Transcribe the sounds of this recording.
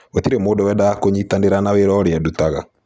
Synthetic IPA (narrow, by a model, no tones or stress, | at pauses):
otiɾemoːdɔwɛdaakoɲitaneɾanaweɾɔɾeadutaɣa